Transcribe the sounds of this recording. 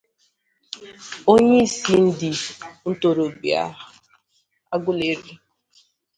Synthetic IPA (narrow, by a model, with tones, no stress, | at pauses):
o˦ɲe˦i˦˨si˦n̩˦dɪ˨n̩˦to˨ɾo˨ɡ͡bḭ˨a̰˦ | a˦ɡʊ˦le˨˦ɾi˦